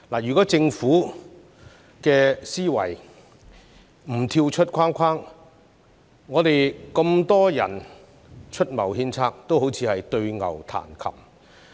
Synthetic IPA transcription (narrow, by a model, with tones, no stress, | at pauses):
laː˨˩jyː˨˩kɔː˨˥t͡sɪ˧ŋfuː˨˥ | kɛː˧siː˥wɐ̰˨˩j | m̩˨˩t̪ʰiː˧wt͡ʃʰɵ˥t̚kʷʰaː˥nkʷʰaː˥ŋ | ŋɔː˨˧t̪e˨jkɐ˧mt̪ɔː˥jɐ̰˨˩n | t͡ʃʰɵ˥t̚mɐ˨˩whiː˥nt͡sʰaː˥k̚t̪o˥wɦo˨˥wt͡sʰiː˨˧hɐ˨jt̪ɵ˧ɥŋɐ̰˨˩wt̪ʰa̰ː˨˩nkʰɐ̰˨˩m̚